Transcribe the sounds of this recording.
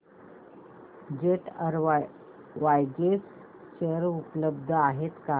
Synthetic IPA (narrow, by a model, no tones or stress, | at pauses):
d͡ʑeʈəɾ | ʋajɡes | t͡ɕəɾupləbd̪ʱəaɦet̪ka